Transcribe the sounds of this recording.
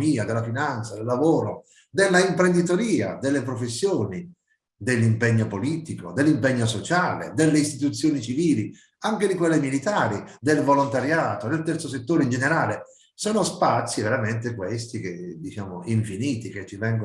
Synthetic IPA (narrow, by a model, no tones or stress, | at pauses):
iːad̪elːafinant̪sad̪elːavoːɾo | d̪elːaimpɾend̪it̪oɾiːa̰d̪elːepɾofesːjoːni | d̪elːimpɛɲːopoliːt̪iko̰d̪elːimpɛɲːosot͡ʃaːlḛd̪elːeist̪it̪ut̪sːjoːnit͡ʃiviːli | aŋk̟ed̪ikwelːemilit̪aːɾid̪elvolont̪aɾjaːt̪od̪elt̪ɛrt̪soset̪ːoːɾeind͡ʒeneɾaːle | sɔːnospat̪sːiveɾament̪ekwest̪ik̟ed̪it͡ʃaːmoiɱfiniːt̪ik̟et͡ʃːivɛŋɡ